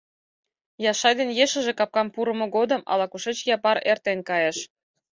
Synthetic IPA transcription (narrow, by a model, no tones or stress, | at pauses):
jɑʃɑjd̪enjeʃə̆ʒĕkɑp̚kɑmpuɾə̆mŏɡod̪ə̆mʔɑ̰lɑkuʃet͡ɕjɑpɑɾert̪enkɑjeʃ